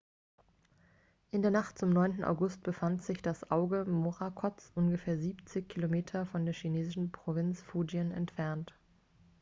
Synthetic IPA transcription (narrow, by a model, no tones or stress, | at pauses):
ʔɪndeːɐnaχtt͡sʊmnɔʏntn̩ʔa̰ʊɡʊst̚b̥əfantz̥ɪçd̥asʔaʊɡəmoʁakʰɔt͡sʔʊnɡəfeːɐziːpt͡sɪçkʰilomeːtʰɐfɔndeːɐçineːzɪʃn̩pʁ̥ovɪnt͡sfuːd͡ʒiənɛ̰ntfɛɐnt